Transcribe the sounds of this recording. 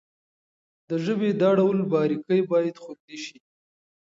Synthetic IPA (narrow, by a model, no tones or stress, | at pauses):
d̪əʒəbed̪ɑɖawlbɑɾikəjbɑjad̪xod̪leʃi